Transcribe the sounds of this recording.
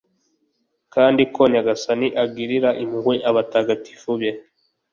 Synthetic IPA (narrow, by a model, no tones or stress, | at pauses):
kaːndikoɲaɡasaniʔaɡiɾiɾaʔimuhweʔaβataɡati̥fuβje